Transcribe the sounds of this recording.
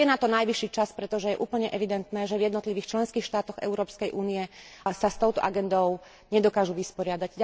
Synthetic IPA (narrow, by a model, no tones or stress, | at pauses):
ɛnat̪ɔnajʋiʃːiːt͡ʃaspɾɛt̪ɔʒɛjɛʔuːpl̩ɲɛʔɛʋid̪ɛnt̪nɛːʒɛvjɛd̪nɔt̪liʋiːxt͡ʃlɛnskiːxʃt̪aːt̪ɔɣɛ̰ʊɾɔːpskɛjʔuːniɛsast̪ɔʊt̪ɔ̰ʔaɡɛnd̪ɔʊ | ɲɛd̪ɔkaːʒuʋispɔɾɪad̪aɟ